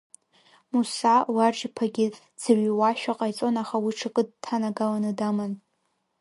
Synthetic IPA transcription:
musawaʈ͡ʂpʰaɡʲɪ | d͡z̥aɥiwaʃᶣaqʼajt͡sʼo̞naχawiʈ͡ʂʰɨkʼɨd̚tʰanaɡalanɨdamɨn

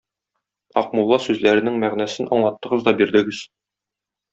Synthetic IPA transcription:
ɒqmulˠːɑsʉzlæɾɘ̆nɘŋmæʁnæsɘnʔɒɴlˠɑt̪ːɤ̆ʁɤzd̪ɒbiɾd̪ɘ̆ɡɘz̥

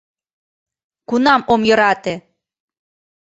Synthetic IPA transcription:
kunɑmomjøɾɑt̪e

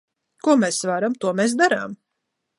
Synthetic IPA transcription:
kuɔmɛːsvaɾamt̪uɔmɛːs̬d̪aɾaːm

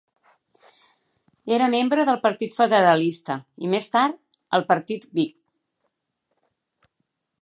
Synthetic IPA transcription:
eɾəmembɾəðəlˠpəɾt̪it̪fəðəɾəlist̪əimest̪aɾt̪ | əlˠpəɾt̪it̪bik̚

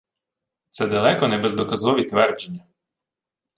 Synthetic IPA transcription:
t̪sɛd̪ɐlˠɛkɔnɛbezd̪ɔkɐzɔʋʲit̪ʋɛrd͡ʒenʲːɐ

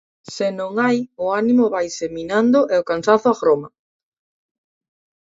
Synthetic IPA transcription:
sɪnõŋajʊanimʊβajseminand̪ʊʔɛokansaθʊaɣɾoma

